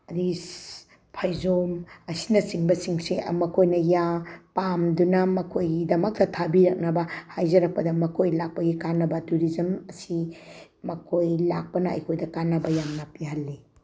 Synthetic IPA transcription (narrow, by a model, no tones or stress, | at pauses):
ɾis | pʰajzomɐsi̥nɐsiŋbɐsiŋsemɐkʰojnɐjapamdunɐmɐkʰojɡidɐmɐk̚tɐtʰabiɾɐk̚nɐbɐhajzɐɾɐk̚pɐdɐmɐkʰojlak̚pɐɡikanːɐbɐtuɾizɐmɐsi | mɐkʰojlak̚pɐnɐɐ̰jkʰojdɐkanːɐbɐjamnɐpiɦɐlːi